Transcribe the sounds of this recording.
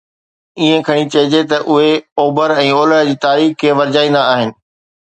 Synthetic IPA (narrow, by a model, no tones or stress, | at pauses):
iːẽkʰɐɽ̃it͡ɕɐɦɪd͡ʑet̪ɐʔʊɦeoːbəɾɛ̃ːoːləɽd͡ʑiːt̪aːɾiːxkʰeːʋɐɾd͡ʑaːĩːn̆d̪aaːɦɪnɪ̆